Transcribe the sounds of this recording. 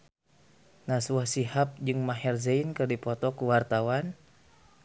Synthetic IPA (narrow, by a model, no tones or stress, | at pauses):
naswahsiɦap̚d͡ʒɨŋmaɦɛrzɛinkɨrdipɔt̪ɔkuwart̪awan